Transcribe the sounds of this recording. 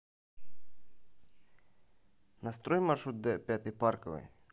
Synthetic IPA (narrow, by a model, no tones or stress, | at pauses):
nɐst̪ɾɔjmɐrʃɾut̪̚d̪ɛpʲjat̪ɪjpɑrkɔʋɪ̰j